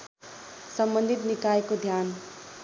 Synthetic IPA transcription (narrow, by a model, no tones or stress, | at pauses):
sʌmbʌnd̪ʱit̪nikaekod̪ʱjan